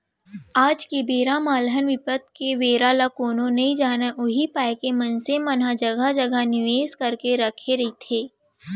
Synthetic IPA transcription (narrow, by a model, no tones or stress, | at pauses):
aːd͡ʒkebeːɾamaːlɦənʋɪpət̪̚keʋeːɾaːlakoːnõnɐɦĩd͡ʒaːnaʔʊɦipaːekemɐnsemənɦad͡ʒɐɡʱad͡ʒəɡanɪʋeːskɐɾkeɾɐkʰeɾɐɦit̪ʰeː